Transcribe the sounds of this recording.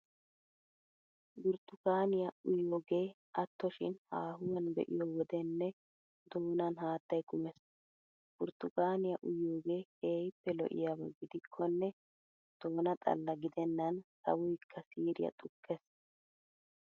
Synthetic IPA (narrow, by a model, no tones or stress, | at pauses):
ɡʊɾt̪ʊkaːnɪjɐʊjːoːɡe̞ː | ʔɐt̪ːɔʃɪnhaːɦʊwɐnbɛ̰ʔɪ̰jɔwɔd̪ɛnːɛ | d̪oːnɐnhaːt̪ːɐjkʊmɛs | ɡ̥ʊɾt̪ʊkaːnɪjɐʔʊjːoːɡe̞ːeːjpːɛlɔ̰ʔɪ̰jawɐɡɪd̪ɪkʰːɔnːɛ | d̪̥o̞ːnɐt̪ʼɐ̰lːɐɡɪd̪ɛnːɐnsɐ̰wʊjkʰːɐsiːɾɪ̰jɐ̰t̪ʼʊkʰːɛs